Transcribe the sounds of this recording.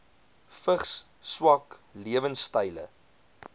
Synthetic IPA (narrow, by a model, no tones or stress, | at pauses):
fəχs | swɐkliəvənstəjlə̰